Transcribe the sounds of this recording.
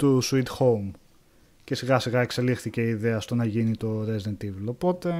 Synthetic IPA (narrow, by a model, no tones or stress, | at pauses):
t̪usuit̪xo̞m | ce̞siɣɐsiɣɐe̞kse̞lixθice̞iðe̞ɐst̪o̞nɐʝinit̪o̞ɾezd̪ent̪ivelo̞po̞t̪e̞